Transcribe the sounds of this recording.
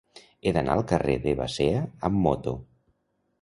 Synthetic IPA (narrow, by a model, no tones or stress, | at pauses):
eðana̰əlˠkəreðəβa̰seəːmːot̪o